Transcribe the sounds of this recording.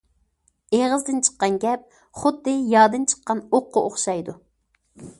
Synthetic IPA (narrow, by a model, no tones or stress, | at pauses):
eʁəzd̪ɨnt͡ʃʰə̥qːɑnɡʲɛp̚ | χʊd̪ːɨjɑːd̪ɨnt͡ʃʰə̥qːɑnoqʰːʊʔoχʃɑjd̪u